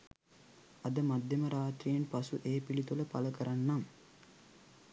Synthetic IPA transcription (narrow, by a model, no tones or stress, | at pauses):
ɐd̪əmad̪jeməɾaːt̪rijenpasuʔeːpilit̪uləpa̰ləkəɾanːam